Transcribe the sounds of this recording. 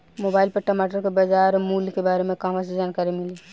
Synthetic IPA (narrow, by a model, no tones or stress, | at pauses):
moːbaːɪlpɐɾʈɐmaːʈəɾkebɐd͡ʒaːɾmuːlkebaːɾemẽkãːʋas̬ed͡ʒaːnkaːɾimɪli